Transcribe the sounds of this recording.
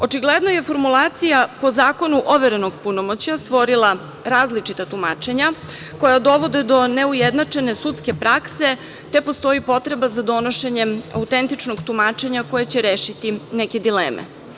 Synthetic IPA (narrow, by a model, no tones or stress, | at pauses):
o̞t͡ʃiɡled̪no̞je̞fo̞ɾmulˠaːt̪sijapo̞zaːko̞nuʔoʋeɾenoɡpunomot͡ɕast̪ʋo̞ɾilˠa | ɾaːzlit͡ʂit̪at̪umaːt͡ʃe̞ɲa | ko̞jad̪o̞ʋo̞d̪ed̪o̞ne̞ujed̪nat͡ʂe̞nesut̪ske̞pɾakse̞ | t̪e̞po̞st̪o̞ipo̞t̪ɾe̞bazad̪o̞no̞ʃeɲema̰ut̪ent̪it͡ʃnoɡt̪umaːt͡ʃe̞ɲako̞jet͡ɕeɾeːʃit̪ineke̞d̪ileːmʔḛ